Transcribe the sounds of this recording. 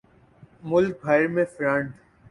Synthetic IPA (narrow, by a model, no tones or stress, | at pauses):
mʊlk̚bʱaːɪɾmẽfɾãɳʈ